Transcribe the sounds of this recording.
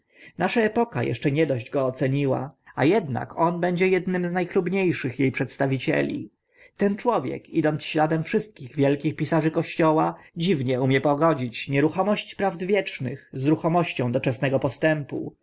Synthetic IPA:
naʂaɛpɔka̰jɛ̰ʂt͡ʂɛɲɛd̪ɔʑd͡ʑɡɔːt̪sɛɲiwa̰ajɛd̪na̰kɔnbɛɲd͡ʑɛjɛd̪nɘmznajxlubɲejʂɘxjejpʂɛt̪st̪avʲit͡ɕɛ̰lʲḭ | t̪ɛnt͡ʂwɔvʲjɛ̰kid̪ɔnt̪sɕlad̪ɛmfʂɘst̪̚kʲiɣvʲjɛlkʲixpʲisaʐɘkɔɕt͡ɕɔwad͡ʑivɲɛumʲjɛpɔɡɔd͡ʑit͡ɕɲɛɾuxɔmɔɕt͡ɕpɾavd̪vʲjɛt͡ʂnɘ̰xzɾuxɔmɔɕt͡ɕɔ̃w̃d̪ɔt͡ʂɛsnɛɡɔpɔst̪ɛmpṵ

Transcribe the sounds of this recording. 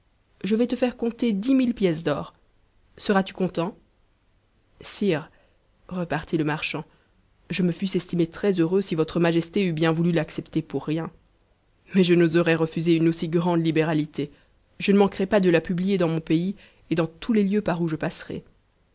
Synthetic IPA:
ʒəvɛt̪əfɛʁkɔ̃t̪ed̪imilpjɛs̬d̪ɔːʁ | səʁat̪y̥kɔ̃t̪ɑ̃ | siːʁ | ʁəpaʁt̪iləmaʁʃɑ̃ | ʒəməfysɛst̪imet̪χɛzøʁøsivɔt̪χəmaʒɛst̪eybjɛ̃vulylaksɛpt̪epuʁːjɛ̃ | mɛʒənozɔʁɛʁəfyzeynosiɡʁɑ̃d̪libeʁalit̪e | ʒənəmɑ̃kʁɛpad̪əlapyblijed̪ɑ̃mɔ̃pei | ed̪ɑ̃t̪ʰuleljøpaʁuʒəpasʁɛ̰

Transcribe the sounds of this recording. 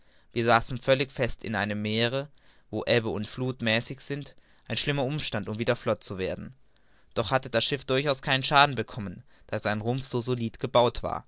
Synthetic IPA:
viːɐzaːsn̩fœlɪçfɛstɪ̰nʔaɪnəmːeːʁə | voːʔɛbəʊntfluːtmɛːsɪçz̥ɪnt | ʔaɪnʃlɪmɐʔʊmʃtantʊmviːdɐflɔt̚t͡suveːɐdn̩ | d̥ɔχhatəd̥asʃɪfd̥ʊɐçaʊskʰaɪnənʃaːdn̩bəkʰɔmən | d̥aːzaɪnʁʊmfz̥oːzoliːtɡ̥əbaʊtv̥a̰ːɐ

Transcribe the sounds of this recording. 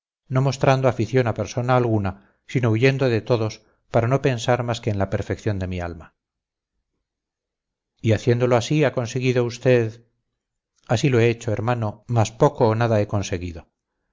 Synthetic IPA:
no̞mo̞st̪ɾand̪oafiθjo̞nape̞ɾso̞naːlɣuna | sino̞uʝe̞nd̪o̞ðe̞t̪o̞ðo̞s | paɾano̞pe̞nsaɾmaske̞ːnlape̞ɾfe̞kθjo̞nd̪e̞mia̰lma | iaθje̞nd̪o̞loasiako̞nse̞ɣ̞iðo̞ust̪e̞ð | asilo̞e̞et͡ʃo̞e̞ɾmano̞maspo̞koːnaðae̞ko̞nse̞ɣiðo̞

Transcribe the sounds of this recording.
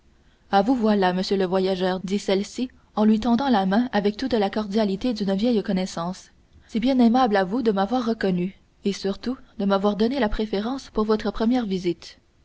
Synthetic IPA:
avuvwalaməsjøləvwajaʒœːʁd̪isɛlsi | ɑ̃lɥit̪ɑ̃d̪ɑ̃lamɛ̃avɛk̚t̪ut̪lakɔʁd̪jalit̪ed̪ynvjɛjkɔnɛsɑ̃ːs | sɛbjɛ̃nɛmablavud̪əmavwaːʁːəkɔny | esyʁt̪ud̪əmavwaʁd̪ɔnelapχefeʁɑ̃ːspuʁvɔt̪χəpχəmjɛːʁvizit̪

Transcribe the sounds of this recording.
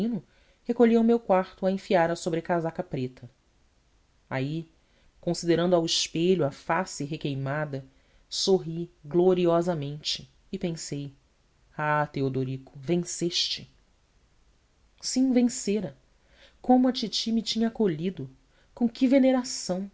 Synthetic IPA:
ĩnʊ | hekoʎiɐwmewkwaχt̪ʊɐẽfiaɾɐsobɾɪkazakɐpɾet̪ʰɐ | ai | kõsid̪eɾɐ̃nd̪ʊawiʃpeʎʊɐfasɪɦekejmad̪ɐ | soɦiɡloɾiɔzɐmẽnt͡ʃɪ̥ː | pẽsej | at̪eod̪oɾikʊvẽseʃt͡ʃɪ | sĩvẽseɾɐ | kõmʊɐt͡ʃit͡ʃimit͡ʃĩɲɐːkoʎid̪ʊ | kõkɪveneɾasɐ̃w̃

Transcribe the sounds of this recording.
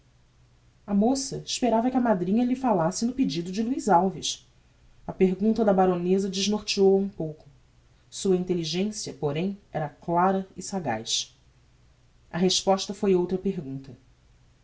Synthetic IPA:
ɐmosɐɪʃpeɾavɐkɪɐmad̪ɾĩɲɐlɪfalasɪnʊped͡ʒid̪ʊd͡ʒɪluizawviʃ | ɐpeɦɡũnt̪ɐd̪ɐbaɾonezɐd͡ʒɪʒnoɾt͡ʃiowɐũpowkʊ | suɐĩnt̪eliʒẽsiɐpoɾẽj̃ɛɾɐklaɾɐɪsaɡa̰jʃ | ɐ̰ɦeʃpɔʃt̪ɐfojowt̪ɾɐpeɦɡũnt̪ɐ

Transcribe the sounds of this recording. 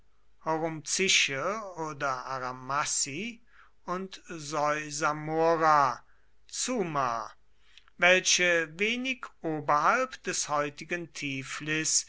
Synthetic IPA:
hoʁomt͡sɪʃəoːdɐʔaʁamasi | ʊntzɔʏzamoʁa | t͡suːma̰ | vɛlʃəveːnɪkʰʔoːbɐhalpd̥ɛshɔʏtɪɡəntʰiːflɪs

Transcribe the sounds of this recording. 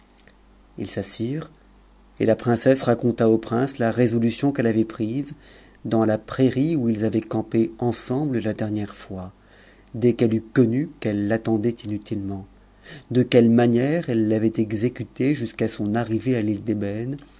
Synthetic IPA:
ḭlsasiʁ | ḛlapχɛ̃sɛsʁakɔ̃t̪aopχɛ̃slaʁezɔlysjɔ̃kɛlavɛpχiz | d̪ɑ̃lapχeʁiuilzavɛkɑ̃peɑ̃sɑ̃bləlad̪ɛʁnjɛʁfwa | d̪ɛkɛlykɔnykɛlːat̪ɑ̃d̪ɛt̪inyt̪ʰilmɑ̃ | d̪əkʲɛlmanjɛʁɛlːavɛt̪ɛɡzekʲyt̪eʒyskasɔ̃naʁivealild̪ebɛn

